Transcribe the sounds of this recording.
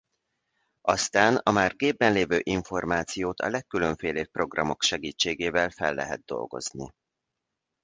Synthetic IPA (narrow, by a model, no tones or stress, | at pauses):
ɒst̪aːnɒmaːrɡeːbːɛnleːvøːʔiɱfo̞rmaːt̪sijoːt̪ɒ̰lɛkːyløɱfeːleːpːro̞ɡrɒmo̞kʃɛɡiːt͡ʃːeːɡeːvɛlfɛlːɛ̰ɦɛ̰d̪̚d̪o̞̰lɡo̞̰znḭ